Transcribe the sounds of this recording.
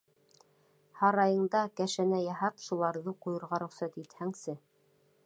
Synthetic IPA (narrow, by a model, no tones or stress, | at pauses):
hɑɾɑjɤ̆ɴd̪ɑkæʃænæjɑɦɑpʃulˠɑɾðɤqujɤ̆ɾʁɑɾŏχsæt̪it̪hæŋsɘ